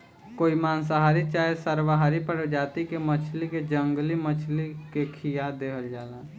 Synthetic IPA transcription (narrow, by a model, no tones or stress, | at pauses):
koːimaːnsaɦaːɾit͡ʃaːesəɾʋaɦaːɾipəɾd͡ʒaːt̪ikemət͡ʃʰliked͡ʒə̃ŋɡlimət͡ʃʰlikekʰijad̪eɦəld͡ʒaːla